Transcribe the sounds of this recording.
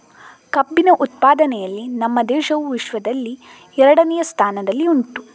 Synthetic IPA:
kɐbːinɐʔut̪̚paːd̪ɐnɛjɐlːinɐmːɐd̪ɛːʃɐʋuʋiʃʋɐd̪ɐlːi | ɛɾɐɽɐnɛjɐst̪ʰaːnɐd̪ɐlːiunt̪u

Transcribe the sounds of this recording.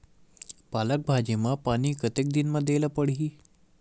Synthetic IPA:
palək̚bʱad͡ʑemapaɽ̃iːkət̪ek̚d̪inməd̪ʱjelapəɽiː

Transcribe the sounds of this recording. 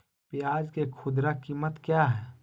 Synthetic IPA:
piaːd͡ʒkekʰʊd̪ɾakiːmət̪kjaɦɛː

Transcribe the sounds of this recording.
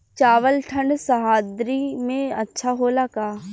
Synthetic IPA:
t͡ʃaːʋəlʈʰə̃ɳɖsɐɦaːd̪ɾimẽɐtːʃʰaɦolakaː

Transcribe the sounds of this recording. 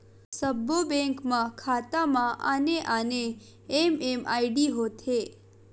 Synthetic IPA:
səbːobɛ̃ŋkmãkʰat̪amãʔa̰neʔaneː | memʔaiɖiɦot̪ʰe

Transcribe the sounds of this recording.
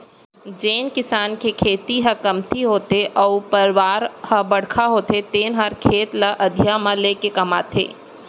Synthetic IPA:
d͡ʒeːnkɪsaːnkekʰeːt̪iɦɐkɐmt̪ʰiɦoːt̪eʔɔːpəɾwaːɾhɐbɐɽ̤kʰaɦoːt̪et̪eːnɦəɾkʰeːt̪ləʔɐd̪ʱjamãleːkekɐmaːt̪ʰḛː

